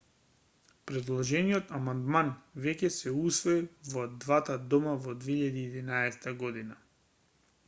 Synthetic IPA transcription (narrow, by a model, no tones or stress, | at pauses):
pɾɛd̪lˠɔʒɛniɔt̪amand̪manvɛcɛsɛusvɔivɔd̪vat̪ad̪ɔmavɔd̪veiʎad̪iːd̪inaɛsɛ̥t̪aɡɔd̪ina